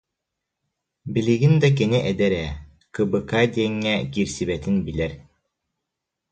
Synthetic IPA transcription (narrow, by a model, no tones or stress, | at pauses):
biliɡind̪ak̬iniʔɛd̪ɛɾɛː | kɯbɯkaːd̪iɛŋːɛkiːɾsiβɛt̪inbilɛɾ